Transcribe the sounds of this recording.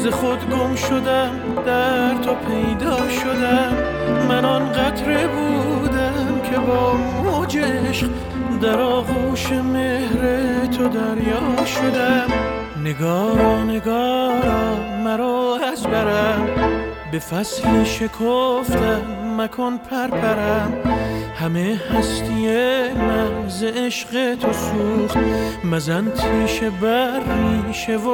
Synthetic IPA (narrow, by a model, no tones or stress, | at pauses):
zeχod̪ɡomʃod̪æm | d̪æɾt̪ʰopʰe̞jd̪ɒːʃod̪æmː | ænɔnɢæt̪ʰɾebuːd̪æmkʰe̞bɒːm | uːd͡ʒeeʃq | d̪æɾɒːɣuːʃeme̞hɾet̪ʰod̪æɾjɒːʃod̪æm | neɡɒːɾɔneɡɒː | mæɾoæzbæɾæmbe̞fæsliʃe̞kʰoft̪ʰæːækʰɔnpʰæɾpʰæɾæmhæmehæst̪ijemæzeeʃɢet̪ʰosuːɾmæzænt̪ʰiːʃebæɾmiʃevo